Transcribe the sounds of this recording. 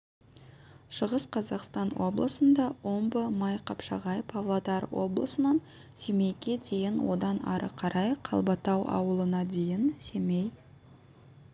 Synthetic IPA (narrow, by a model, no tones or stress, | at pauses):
ʃəʁəsqʰɑzɑqst̪ɑnwo̞̰blˠəsənd̪ɑwombəmɑjqʰɑpʃɑ̰ʁɑjəpɑvlˠad̪ɑɾwo̞̰blˠəsənɑn | se̞me̞jɡʲe̞d̪e̞jɪnwo̞̰d̪ɑnɑ̰ɾə̰qʰɑɾʔɑjqʰɑ̰lˠbɑt̪ɑwʔɑ̰wəlˠənɑd̪e̞jɪnse̞mej